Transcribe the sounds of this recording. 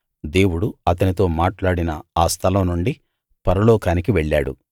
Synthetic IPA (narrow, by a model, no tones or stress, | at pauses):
d̪e̞ːwuɽuɐt̪ɐnit̪o̞ːmaːʈlaːɽinɐaːst̪ʰɐlɐmnuɳɖi | pɐɾɐloːkaːnikiʋeɭːaːɽṵ